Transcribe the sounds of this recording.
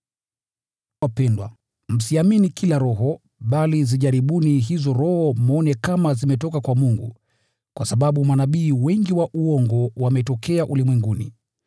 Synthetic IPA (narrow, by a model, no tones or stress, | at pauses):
wapɛndwa̰ | m̩siaminikʰilaɾɔɦɔ | ɓaliziʄaɾiɓuniɦizɔɾɔhɔmɔnɛkamazimɛtɔkakwamuŋɡṵ | kwasaɓaɓumanaɓiːwɛŋɡiwaʔuɔŋɡɔwamɛtɔkʰɛaʔulimwɛŋɡunḭ